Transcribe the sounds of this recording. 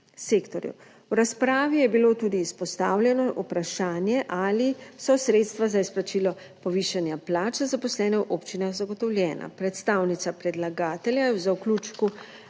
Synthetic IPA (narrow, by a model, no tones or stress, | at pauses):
seːkt̪ɔɾjṵ | wɾaspɾaːʋijɛbiloːt̪uːd̪iːspɔst̪aːwljɛnɔʔupɾaʃaːnjɛʔalisɔsɾeːt̪st̪ʋazaisplat͡ʃilɔ | pɔʋiːʃanjaplaːt͡ʃazapɔslɛːnɛwʔoːpt͡ʃinaxzaɡɔt̪ɔwljɛːna̰pɾɛt̪st̪awnit̪sapɾɛd̪laɡaːt̪ɛljajɛwzawkluːt͡ʃku